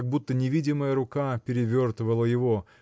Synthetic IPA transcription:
ɡ̚but̪ːənʲɪvʲidʲɪməjəɾʊkapʲɪɾʲɪvʲort̪vəlˠəjɪvo

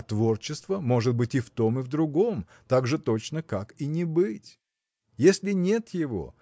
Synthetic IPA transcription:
t̪vo̞rt͡ɕːɪst̪vəmo̞ʐɨt̪̚bɨtʲɪft̪o̞mɨvd̪ɾʊɡo̞m | t̪aɡʐɨt̪o̞t͡ɕnəkakinʲɪbɨtʲ | jesʲlʲɪnʲe̞t̪jɪvo̞̰

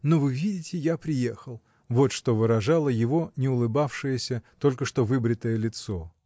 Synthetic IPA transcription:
no̞vɨvʲidʲɪtʲɪjapɾʲɪjexəlˠ | vo̞t̪ʂt̪o̞vɨɾɐʐalˠəjɪvo̞nʲɪʊlˠɨbafʂɨjəsʲət̪o̞lʲkəʂt̪o̞vɨbɾʲɪt̪əjəlʲɪt̪so̞

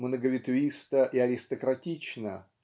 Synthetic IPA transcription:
mnəɡəvʲɪt̪vʲist̪əʔiɐɾʲɪst̪əkɾɐtʲit͡ɕnə

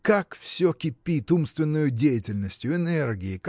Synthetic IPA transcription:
kakfsʲɵkʲɪpʲːit̪umst̪vʲɪnːʊjʊdʲejɪtʲɪlʲnəsʲtʲjʊɪnɛrɡʲɪɪk

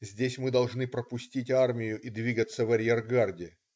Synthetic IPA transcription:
zʲdʲesʲmɨd̪ɐlˠʐnɨpɾəpʊsʲtʲitʲarmʲɪjʊʔid̪vʲiɡət̪sːəvɐɾʲjerɡardʲɪ

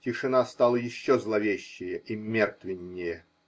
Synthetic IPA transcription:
tʲɪʂɨnast̪alˠəjɪɕːozlˠɐvʲeɕːɪjəʔimʲert̪vʲɪnʲːɪjə

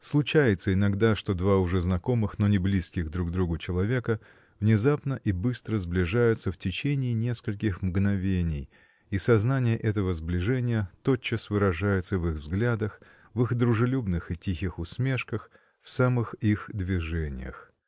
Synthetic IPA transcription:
slˠʊt͡ɕæjɪt̪səɪnɐɡd̪aʂt̪o̞d̪vaʊʐɛznɐko̞mɨxno̞nʲɪblʲiskʲɪɣd̪ɾuɡ̚d̪ɾuɡʊt͡ɕɪlˠɐvʲe̞kə | vnʲɪzapnəʔibɨst̪ɾəzblʲɪʐajʊt̪səftʲɪt͡ɕenʲɪːnʲe̞skəlʲkʲɪxmɡnɐvʲenʲɪj | isɐznanʲɪjəʔɛt̪əvəzblʲɪʐɛnʲɪjət̪ot͡ɕːəsvɨɾɐʐajʊt̪səvɨɣvzɡlʲad̪əx | vɨxd̪ɾʊʐɨlʲubnɨxɨtʲixʲɪxʊsmʲe̞ʂkəx | fsamɨxixd̪vʲɪʐɛnʲɪ̰jə̰x

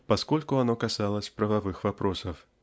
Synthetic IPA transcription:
paskɔlʲkuanɔkasalˠɐsʲpɾɐvavɨxvapɾɔsɐf

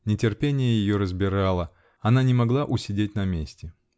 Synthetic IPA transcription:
nʲɪtʲɪrpʲenʲɪjəjɪjoɾəzbʲɪɾalˠə | ɐnanʲɪmɐɡlˠaʔʊsʲɪdʲetʲnɐmʲesʲtʲɪ

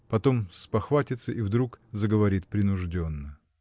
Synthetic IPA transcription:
pɐt̪o̞mspɐxvatʲɪt̪səʔivd̪ɾukzəɡəvɐɾʲit̪̚pɾʲɪnʊʐdʲo̞nːə

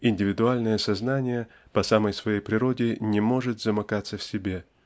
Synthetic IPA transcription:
ɪnʲdʲɪvʲɪd̪ʊalʲnəjəsɐznanʲɪjə | pɐsaməjsvɐjejpɾʲɪɾo̞dʲɪnʲɪmo̞ʐɨt̪zəmɐkat̪səfsʲɪbʲe̞

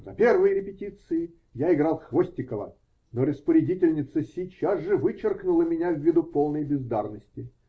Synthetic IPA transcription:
zɐ̰pʲervɨjəɾʲɪpʲɪtʲit̪sɨjɪ | jaɪɡɾɑlˠxvosʲtʲɪkəvə̰ | noɾəspəɾʲɪdʲitʲɪlʲnʲɪt̪səsʲit͡ɕːazʐɨvɨt͡ɕɪrknʊlˠəmʲɪnʲavʲːid̪ʊpolˠnəjbʲɪzd̪arnəsʲtʲɪ

